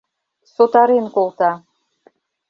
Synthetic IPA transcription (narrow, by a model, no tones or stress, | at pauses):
sot̪ɑɾenkolˠt̪ɑ